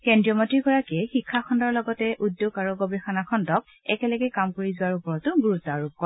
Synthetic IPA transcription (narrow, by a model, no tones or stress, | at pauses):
kendɹijɔmɔtiɹɡɔɹakiɛxikʰːakʰɔndɔɹlɔɡɔtɛʔudjoɡaɹuɡɔbɛxanakʰɔndɔk̚ | ɛ̰kɛlɛɡɛkamkoɹizʊwaɹupɔɹɔtʊɡuɹutaɹub̚kɔɹ